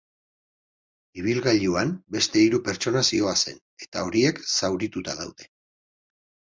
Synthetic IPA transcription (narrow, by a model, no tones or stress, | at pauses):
iβ̞ilɣaʎuambe̞st̪e̞iɾupe̞ɾt͡ʃo̞nasio̞ase̞̰n | e̞̥t̪ao̞ɾie̞ksawɾit̪ut̪aðawðe̞